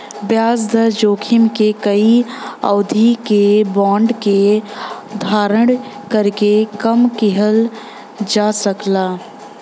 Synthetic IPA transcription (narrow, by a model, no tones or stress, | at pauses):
bjaːsd̪ʱəd͡ʒoːkʰɪmkekəiə̰ʊd̪ʱikebɔːɳɖke | d̪ʱaːɾəɽ̃ | kəɾkekəmkɪɦəl | d͡ʒaːsəklaː